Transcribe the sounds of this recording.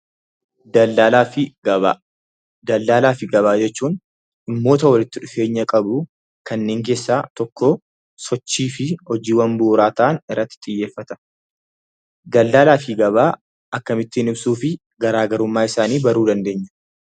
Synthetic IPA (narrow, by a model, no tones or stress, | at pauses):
d̪ɐalaːɪɡɐbaː | d̪ɐlːaːlaːfɪɡɐβaːd͡ʒɛt͡ʃːuːn | ɪmːo̞ːt̪ɐwɐlɪt̪ːɪᶑʊfe̞ːɲːɐkʼɐbʊ | kɐnːe̞ːŋke̞ːsːaːt̪ɔkːo | sɔt͡ʃːiːfɪhɔd͡ʒiːwɐmbuːɾaːt̪aʔːnɪrːɐt̪ːɪ̥t̪ʼɪjːe̞ːfːɐt̪ɐ̥ | d̪ɐlːaːlaːfɪɡɐβaː | ʔɐkːɐmɪt̪ːɪɪnɪbsuːfɪ | ɡɐɾaːɡɐɾʊmːaːɪsaːniːbɐɾuːd̪ɐnd̪e̞ːɲːɐ̥